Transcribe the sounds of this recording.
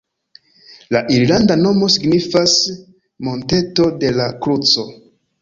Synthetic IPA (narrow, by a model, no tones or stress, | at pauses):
laʔiɾlandano̞mo̞siɡnifas | mo̞nte̞to̞de̞lakɾut͡so̞